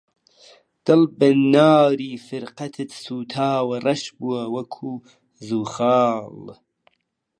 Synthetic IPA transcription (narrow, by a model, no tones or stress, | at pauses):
d̪̥ɨlbɐnɑːɾiːfɨɾqɐt̪ʰɨt̪suːt̪ʰaːwɐrɐʃbuwɐwɐkʰuː | zuːxɑːl